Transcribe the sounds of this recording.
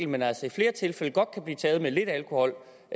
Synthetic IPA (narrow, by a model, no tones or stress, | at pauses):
l̩menæl̰sɒifle̝ːɐt͡sʰe̝lfeləɡ̥ɒ̽d̥̚kʰæb̥lḭːt͡sʰɛːð̞̩ˠmele̝d̥ælkʰo̝hɒ̽l̰